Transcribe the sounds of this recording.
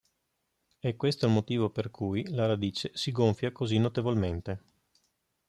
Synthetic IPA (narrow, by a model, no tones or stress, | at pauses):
ɛkːwest̪oilmot̪iːvoperkʰujlaɾad̪iːt͡ʃesiɡoɱfjakozinːot̪evolment̪e